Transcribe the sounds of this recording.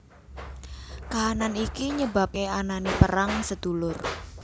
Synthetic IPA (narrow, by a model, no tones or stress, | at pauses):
kaɦananikiɲəbap̚keananipəɾaŋsəd̪̥ṳlʊr